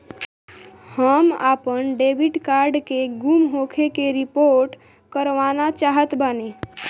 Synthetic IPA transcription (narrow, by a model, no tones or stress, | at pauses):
həma̰pənɖebiɖkaɾɖkeɡumɦokʰekeɾipoɾʈ | kəɾʋanat͡ʃaɦət̪bəne